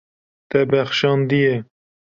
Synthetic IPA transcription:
t̪ɛbɛxʃɑːnd̪ije

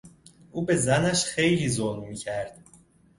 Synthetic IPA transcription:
ʔuːbe̞zænæʃxe̞jliːzolmiːcʰæɾd̪̥

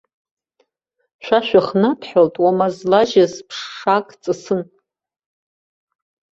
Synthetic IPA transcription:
ʃʷᶣaʃᶣaχnapʰħaltʼwamazlaʒazpʰʂːakʼt͡sʼɨsɨn

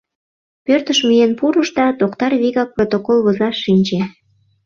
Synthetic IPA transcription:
pørt̪əʃmyjenpuɾəʃd̪ɑt̪okt̪ɑrβiɣɑk̚prot̪okolβozɑʃːinʲt͡ɕe

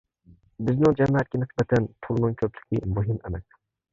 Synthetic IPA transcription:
bɪznɪŋd͡ʒɛmæt̪̚kʲinɪsbɛt̪ʰɛnt̪ʰʊlˠnɨŋkʲʰɵplɪkʲʰimuɦɪmɛmɛk

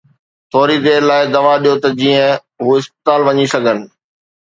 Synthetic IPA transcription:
t̪ʰɔːɾid̪eːɾlaːɪd̪ɐʋaɗijot̪ɐd͡ʑĩːə̃ | ɦuːɪspɪt̪aːlʋɐɲisɐɡʱənɪ̆

